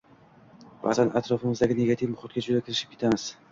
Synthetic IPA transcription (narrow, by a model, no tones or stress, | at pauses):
va̰zanat̪ɾɒfɪmɪzd̪aɡʲɪne̞ɡat̪ʰivmʊχʊt̪̚ɡʲad͡ʒʊd̪akʲɪɾɪʃɪ̥p̚kʰʲet̪ʰamɪz̥